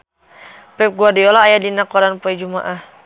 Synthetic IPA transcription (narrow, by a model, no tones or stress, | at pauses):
pɛp̚ɡuadiɔlaːjadinakɔɾanpɔɛd͡ʒuma̰ʔah